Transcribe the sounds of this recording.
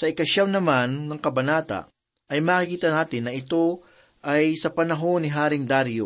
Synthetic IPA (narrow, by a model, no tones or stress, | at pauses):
sɐɪkɐʃawnɐmanːɐŋkɐbɐnaːt̪ɐ̰ʔ | ʔɐjmaːkikiːt̪ɐnaːt̪ɪnːɐʔɪt̪o̞ | ʔɐjsɐpɐnɐɦo̞nːɪɦaːɾɪŋd̪aɾjo